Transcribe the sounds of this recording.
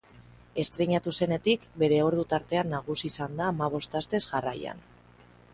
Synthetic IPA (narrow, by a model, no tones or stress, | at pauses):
e̞st̪ɾeɲat̪use̞ne̞t̪ikbe̞ɾe̞o̞ɾð̞ut̪aɾt̪e̞anːaɣ̞usiːsand̪aːmaβ̞o̞st̪ast̪e̞sʝaraja̰n